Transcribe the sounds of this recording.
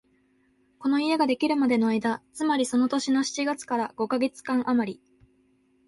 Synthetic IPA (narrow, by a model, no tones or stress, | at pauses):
ko̞no̞ie̞ɡad̪e̞kʲiɾɯ̟mad̪e̞no̞aid̪at͡sɨmaɾʲiso̞no̞t̪o̞ɕino̞ɕi̥t͡ɕiɡat͡sɨ̥kaɾaɡ̥o̞kaɡe̞t͡sɨ̥kãɰ̃ʔamaɾʲi